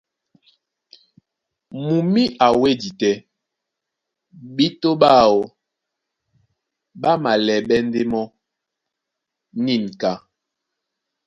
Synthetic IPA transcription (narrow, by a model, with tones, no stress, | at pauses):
mu˨mi˦a˨we˦di˨tɛ˦ | ɓi˦to˦ɓa˦˨o˨ | ɓa˦ma˨lɛ˨ɓɛ˦n˦de˦mɔ˦ | ni˦˨n˨ka˦